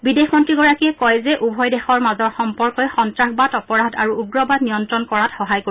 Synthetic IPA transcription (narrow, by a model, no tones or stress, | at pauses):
bidexmɔntɹiɡɔɹakiɛkɔjzɛʔubʱɔjdɛxɔɹmazɔɹxɔmpɔɹkɔjxɔntɹaxbatɔpɔɹadaɹuuɡɹɔbadnijɔntɹɔnkɔɹatxɔɦajko